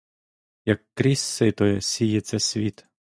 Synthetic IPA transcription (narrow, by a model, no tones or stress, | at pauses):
jɐkːɾʲisːɪt̪ɔjɛsʲijɛt̪sʲɛsʲʋʲit̪